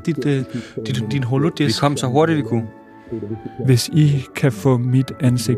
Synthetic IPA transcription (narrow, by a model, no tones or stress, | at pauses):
d̥id̥d̥i̥d̥inɦolod̥ikʰɒ̽m̰sɒ̽ɦo̝ɐɾ̥id̥dikʰu | ʋe̝sikʰæfɔ̰̽ːmid̥ænseɡ̚